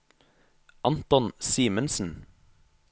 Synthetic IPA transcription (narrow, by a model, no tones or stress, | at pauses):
ʔɑnt̪ɔnsiːmənsn̩